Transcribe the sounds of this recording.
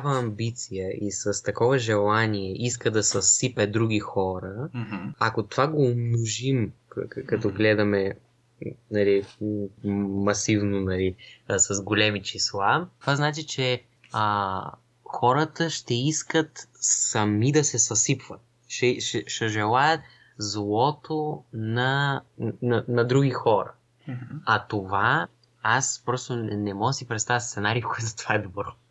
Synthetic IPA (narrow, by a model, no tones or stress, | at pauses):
vəɐmbit̪sijəʔisɐst̪ɐkɔvɐʒɛlˠaniɛʔiskəd̪ɐsɐsipɛd̪ɾuɡ̟ixɔɾəɐkot̪ovaɡoːmnoʒim | kɐt̪ɔɡlɛd̪ɐmɛ | nɐli | ɐsivnonɐlisɐzɡolʲɛmit͡ʃislˠat̪ovaznat͡ʃit͡ʃɛ | ə | xɔɾət̪əʃt̪ɛiskət̪sɐmid̪ɐsɛsɐsipvət̪̚ | ʃɛʃɛʃɛʒɛlˠajət̪ | zlˠɔt̪ʰonɐ | nɐnɐd̪ɾuɡ̟ixɔɾɐ̰ | ɐt̪ova | aspɾɔst̪onɛmɔɡəsipɾɛt̪st̪avət̪st̪sɛnaɾikɔɛt̪zɐt̪ovaɛd̪obɾɔ